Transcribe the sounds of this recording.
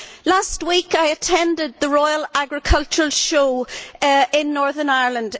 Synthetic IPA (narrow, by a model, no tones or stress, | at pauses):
last̚wikaɪətʰɛ̃ndɪd̪̚ðəɹɔɪəlaɡɹɪkʰʌlˠt͡ʃəɹəlˠʃoː | ɪ̃nːɔɹðə˞naɪɹlə̃nd